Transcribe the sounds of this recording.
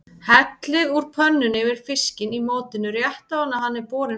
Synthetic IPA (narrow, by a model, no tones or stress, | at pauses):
hɛt̪lɪɣuɾ̥pʰœnːʏnɪvɪɾ̥fɪscɪnimoːwt̪ɪnːʏɾjɛht̪aanːahanːɪɾpɔːɾɪ